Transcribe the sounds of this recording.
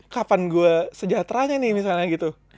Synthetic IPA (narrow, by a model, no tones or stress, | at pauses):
kapanɡuasəd͡ʒat̪ɾaɲanɪhmis̬alɲaɡit̪u